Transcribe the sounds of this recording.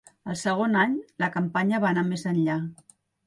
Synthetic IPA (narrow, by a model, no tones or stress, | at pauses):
əlˠsəɣ̞onaɲləkəmpaɲəβanamezənʎa